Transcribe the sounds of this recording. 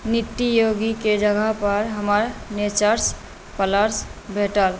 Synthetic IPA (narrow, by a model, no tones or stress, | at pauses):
nit̪ːijoɡiked͡ʒəɡʱəɦpəɾɦəməɾnet͡ʃəɾs | pələɾsbʱeʈəl